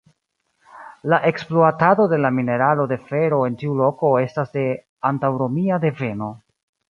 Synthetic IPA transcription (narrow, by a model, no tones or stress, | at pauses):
laʔe̞ksploatado̞de̞lamine̞ɾalo̞de̞fe̞ɾo̞e̞ntiulo̞ko̞e̞stasde̞ | antawɾo̞miade̞ve̞no̞